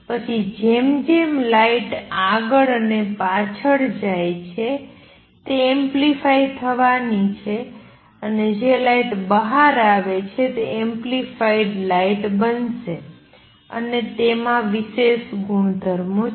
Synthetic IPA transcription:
pət͡ʃʰid͡ʒemd͡ʒemlaiʈaɡəɭənepat͡ʃʰəɭd͡ʒajt͡ʃʰe | t̪eɛmplifait̪ʰəʋanit͡ʃʰe | əned͡ʒelaiʈbəɦaɾaʋet͡ʃʰet̪eɛmplifaiɖlaiʈbənse | ə̰net̪emãʋiʃeʃɡuɳd̪ʱəɾmũ

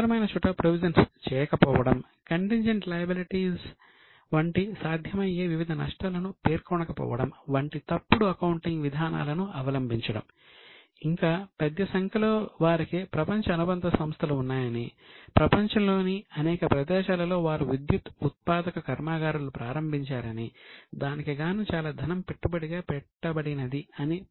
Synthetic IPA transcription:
ɾɐmɐjnɐt͡ʃuʈːɐpɾoʋid͡ʒɐnst͡ʃɛːjɐkɐpɔːʋɐɽɐm | kɐɳʈiɲd͡ʒɐɳʈlɐjɐbiliʈiːs | ʋɐɳʈisaːd̪ʱjɐmɐjeːʋiʋid̪ʱɐnɐ̰ʂʈalɐnupeːɾkɔɳɐkɐpɔ̰ːʋɐɽɐmʋɐɳʈit̪ɐpːuɽuɐkɐwuɳʈiŋɡʋid̪ʱaːna̰ːlɐnuɐʋɐlɐmbʱiɲt͡ʃɐɽɐ̰m | iŋkaːpɛd̪jɐsɐŋkʰɐloːʋaːɾikeːpɾɐpɐɲt͡ʃɐɐnubɐnd̪ɐsɐmst̪ʰɐluunːaːjɐnipɾɐpɐɲt͡ʃɐmlo̞ːniɐnɛːkɐpɾɐd̪ɛːʃaːlɐlo̞ːʋaːɾuʋid̪jut̪ut̪̚paːd̪ɐkɐkɐɾmaːɡaːɾulupɾaːɾɐmbʱiɲt͡ʃaːɾɐnid̪aːnikiɡaːnuːt͡ʃaːlaːd̪ʱɐnɐmpeʈːubɐɽiɡaːpɛʈːɐbɐɽinɐd̪iɐni

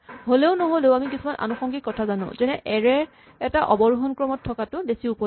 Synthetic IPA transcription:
ɦoleʊnɔɦoleʊamikisumanʔa̰nuxɔŋɡikɔtʰazanʊ̰̃zɛnɛʔɛɹɛ | ɛtaʔɔbɔɹuɦɔnkɹɔmɔtʰːɔkatʊbesiupɔ

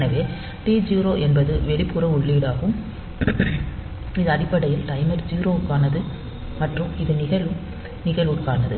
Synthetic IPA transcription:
nɐʋeː | ʈiːd͡ʒiːɾoːʔɛnbɐðɯʋɛɭɪpːɯɾɐʊɭːiːɽaːɣɯm | ɪðɯɐɽɪpːɐɽɐjɪlt̪ɐɪmɐɾd͡ʒiːɾoːkːaːnɐðɯ | mɐʈrɯmɪðɯnɪɣɐɭɯ | nɪɣɐlʋɯkːaːnɐðɯ̰

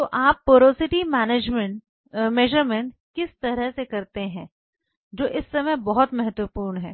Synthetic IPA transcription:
t̪oːʔaːpːoːɾoːsɪʈimɛːneːd͡ʒmɛ | mɛːʒəɾmɛ̃ɳʈ | kɪst̪ɐɾəɦsekɐɾt̪eɦɛ̃ː | d͡ʒoːʔɪsːɐməjbɔɦʊt̪mɐɦət̪wəpuːɾnɦɛː

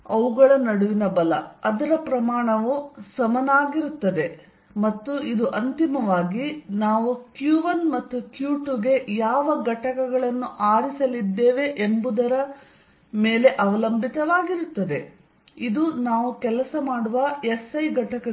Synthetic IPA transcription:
ɐʋuɡɐɭɐnɐɽuʋinɐbɐlɐ̰ɐd̪ɐɾɐpɾɐmaːɳɐʋusɐmɐnaːɡiɾut̪ːɐd̪e̞ | mɐt̪ːuid̪uʔɐnt̪imɐʋaːɡinaːʋukjuːʋɐnmɐt̪ːukjuːʈuɡe̞jaːʋɐɡɐʈɐkɐɡɐɭɐnːuʔaːɾisɐlid̪ːeːʋe̞ʔembud̪ɐɾɐ | me̞ːle̞ʔɐʋɐlɐmbʱit̪ɐʋaːɡiɾut̪ːɐd̪e̞ | id̪unaːʋukɛlɐsɐmaːɽuʋɐesɐjɡɐʈɐkɐ

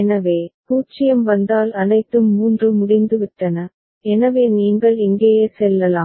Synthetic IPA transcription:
ɛnɐʋeːpuːt͡ʃːɪjɐmʋɐnd̪aːlɐnɐɪt̪ːɯmːuːndrɯmʊɽɪnd̪ɯʋɪʈːɐnɐ | ɛnɐʋeːniːŋɡɐɭɪŋɡeːjeːsɛlːɐlaːm

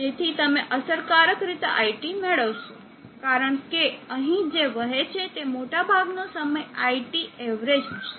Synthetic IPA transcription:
d͡ʒet̪ʰit̪əmeʔəsəɾkaɾəkɾit̪eʔa̰ijʈimeɭəʋʃõ | kaɾəɳkeəɦĩd͡ʒeʋəɦet͡ʃʰet̪emoʈabʱaɡnosəməjaiʈieʋɾed͡ʒʃe

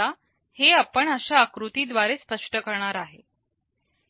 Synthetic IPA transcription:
a | heapəɳəɕaːkɾut̪iːd̪ʋaɾespəʂʈəkəɾɳaɾaɦe

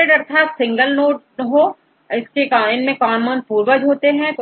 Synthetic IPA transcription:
eɖɐɾt̪ʰaːt̪sɪ̃ŋɡəlnoːʈ̚ | ɦoː | ɪskekaɪnmẽkaːnmənpuːɾbəd͡ʒɦoːt̪eɦɛ̃

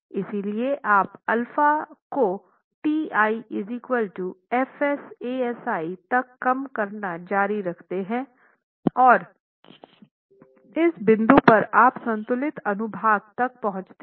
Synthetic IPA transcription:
ɪsilieʔaːpɐlfako | ʈiːaːiɪzɪkwəlʈuɛfɛseːɛsaːit̪ɐkːɐmkɐɾnad͡ʒaːɾiɾɐkʰt̪eɦɛ̃ | ɔːɾ | ɪsbɪ̃nd̪upɐɾaːpsɐ̃nt̪ʊlɪt̪ɐnʊbʱaːɡ̚t̪ɐk̚pɐɦʊ̃t͡ʃt̪e

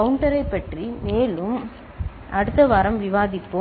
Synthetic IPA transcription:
ɐʋʊɳʈɐɾɐɪpːɐʈrimeːlɯm | ʔɐɽɯt̪ːɐʋaːɾɐmʋɪʋaːðɪpːo

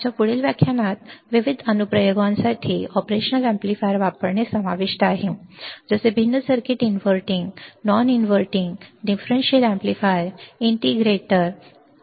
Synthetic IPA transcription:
t͡ɕjafuɽilʋjakʰːjanat̪ʋiʋid̪ʱənupɾəjoɡʋãnsaʈʰiːɔpɾeɕənəlɛ̃mplifajɾʋapəɾɳesəmaʋiʂʈəaɦid͡zəsebʱinːəsəɾkiʈinʋəɾʈiŋɡnɔninʋəɾʈĩŋɡɖifɾenɕiəlɛ̃mplifajɾiɳʈiɡɾeʈəɾ

